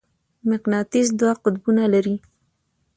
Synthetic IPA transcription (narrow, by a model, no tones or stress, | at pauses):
mɪqnɑt̪iz̬d̪wɑqʊd̪bunalaɾi